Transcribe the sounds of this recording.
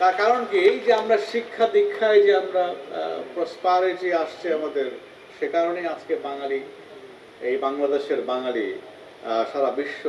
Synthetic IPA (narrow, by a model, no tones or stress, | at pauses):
t̪aɾkaɾonkied͡ʑeamɾaʃikʰːad̪ikʰːajd͡ʑeamɾa̰pɾospaɾeʈiaʃt͡ɕʰiamad̪eɾ | ʃekaɾonejad͡ʑkebaŋali | ejbaŋlad̪eʃeɾbaŋali | ʃaɾabiʃːo